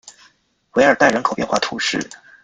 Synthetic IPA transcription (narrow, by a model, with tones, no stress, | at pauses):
we˧˥ɪə˞˨˩t̪a˥˩ɪɻə˧˥kʰo˨˩ʊpjɛ˥˧nxwa˥˩t̪ʰu˧˥ʂɻ̩˥˩